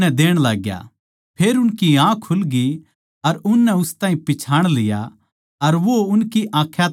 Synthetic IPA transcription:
ɛd̪eːɽ̃laːɡja̰ | pʰeːɾʊnkiãːkʰːʊlɡi | ɐɾʊnːɛʊst̪aːɦĩpɪt͡ʃʰaːɽ̃lɪja̰ | ɐɾʋoʊnkiʔãːkʰːja

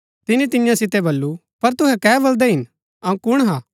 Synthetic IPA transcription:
t̪ɪnit̪ɪnɪjãsɪt̪ebɐlːu | pɐɾt̪ʊɦɛkɛːbɐld̪ɛɦɪn | ɐũkʊɽ̃ɦãː

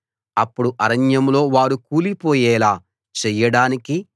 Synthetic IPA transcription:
ɐpːuɽuʔɐɾɐɲjɐmlo̞ːʋaːɾukuːlipoːjɛːlaː | t͡ʃɛjːɐɽaːniki

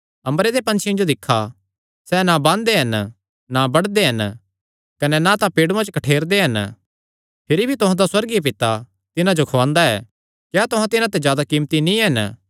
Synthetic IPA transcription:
ɐ̃mɾed̪epɐ̃nt͡ʃʰjɪ̃d͡ʒod̪ɪkʰːa | sɛnabãːnd̪eɦɐn | nabɐɽd̪eɦɐn | kɐnɛnat̪apeːɽũãt͡ʃkɐʈʰeːɾd̪eɦɐn | pʰɪɾibʱit̪ʊɦãd̪aswɐɾɡiep̬ɪt̪a | t̪ɪnãd͡ʒokʰɐʋãːnd̪aɛː | kjaːt̪ʊ̃ɦãt̪ɪnãt̪ed͡ʒjaːd̪akiːmt̪inĩɦɐn

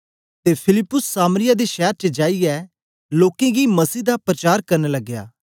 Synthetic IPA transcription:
t̪epʰɪlɪpːʊsːaːmɾɪjad̪eʃɛːɾt͡ʃəd͡ʒaːiɛ | loːkẽɡimɐsiːd̪apɾət͡ʃaːɾkɐɾnelɐɡːja̰ː

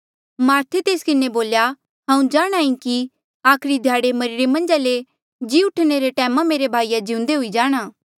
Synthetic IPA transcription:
maːɾt̪ʰet̪eːskɪneboːlja | ɦãːũd͡ʒaːɽ̃aːĩki | aːkʰɾid̪ʱjaːɽemɐɾɪɽemɐ̃nd͡ʒale | d͡ʒiʊʈʰneɾeʈɛːmãmeːɾebʱaːijad͡ʒĩũʊ̃nd̪eɦʊid͡ʒaːɽ̃aː

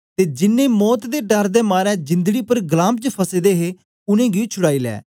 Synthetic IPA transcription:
t̪eːd͡ʒɪnːẽːmɔːt̪d̪eːɖəɾd̪eːmaːɾɛ̃ːd͡ʒɪ̃nd̪əɡiːpəɾɡəlãːmbt͡ʃəpʰəseːd̪eːɦeː | ʊnẽːɡit͡ʃʰʊɽaːiːlɛ̰ː

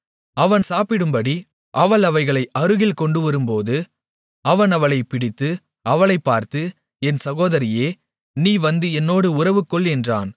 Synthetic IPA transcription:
ɐʋɐnsaːpɪɽɯmbɐɽi | ʔɐʋɐɭɐʋɐɪɣɐɭɐɪʔɐɾɯɣɪlkɔɳɖɯʋɐɾɯmpoːðɯ | ɐʋɐnɐʋɐɭɐɪpɪɽɪt̪ːɯ | ɐʋɐɭɐɪpːaːɾt̪ɯ | ɛnsɐɣoːðɐɾɪjeː | niːʋɐnd̪ɯɛnːoːɽɯʊrɐʋɯkːɔɭɛndra̰ːn

